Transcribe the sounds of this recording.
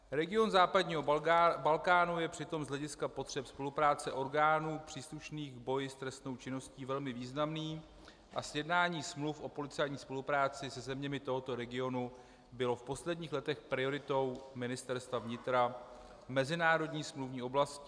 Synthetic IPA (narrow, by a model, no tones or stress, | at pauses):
ɾɛɡɪo̞nzaːpadɲiːɦobalkaːnujɛpr̥ɪt̪o̞mzɦlɛɟɪskapo̞t̪r̝̥ɛpspo̞lupɾaːt͡sɛʔo̞ɾɡaːnuːpr̝̥iːsluʃniːɣbo̞jɪst̪ɾɛst̪no̞wt͡ʃɪno̞sciːvɛlmɪviːznamniː | ʔasjɛdnaːɲiːsmlufʔo̞po̞lɪt͡sɛjɲiːspo̞lupɾaːt͡sɪsɛzɛmɲɛmɪt̪o̞ɦo̞t̪o̞ɾɛɡɪo̞nu | bɪlo̞fpo̞slɛdɲiːxlɛt̪ɛxpɾɪo̞ɾɪt̪o̞wmɪnɪst̪ɛɾst̪vavɲɪt̪ɾa | mɛzɪnaːɾo̞dɲiːsmluvɲiːʔo̞blascɪ